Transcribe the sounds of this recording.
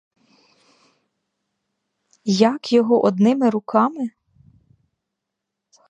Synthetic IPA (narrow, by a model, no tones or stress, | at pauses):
jɐkjɔɦɔʔɔd̪nɪmɪɾʊkɑmɪ